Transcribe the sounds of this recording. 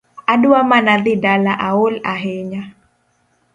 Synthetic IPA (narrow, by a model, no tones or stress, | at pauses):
aduwamanaðɪdalaʔaolaɦeɲa